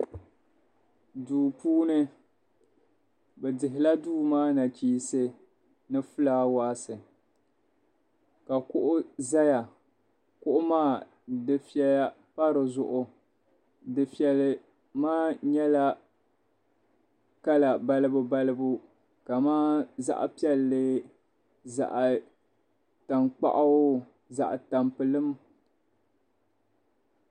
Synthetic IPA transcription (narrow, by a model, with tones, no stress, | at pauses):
duː˨puː˦nɨ˦ | bɛ˨dɪ˨ɦɪ˨la˦duː˦maː˦na˨t͡ʃiː˦sɨ˦ | nɨ˦fʊ˦laː˦waː˦sɨ˨ | ka˨kʊ˦ʔʊ˦za˦ja˨ | kʊ˦ʔʊ˦maː˦˨ | dɨ˨fi˦ɛ˦la˦ | pa˦ɾɨ˨zʊ˦ʔʊ˦ | dɨ˨pi˨ɛ˨lɨ˨ | maː˦ɲɛ˦la˦ | ka˦la˨ba˦lɨ˦bʊ˦ba˦lɨ˦bu˦ | ka˨maː˦za̰˦ʔa̰˨pi˦ɛ˦lːɨ˦ | za̰˨ʔ | ta˨nk͡pa̰˦ʔa˦ʊ˦ | za̰˨ʔta˨mpɨ˨lɨ˦m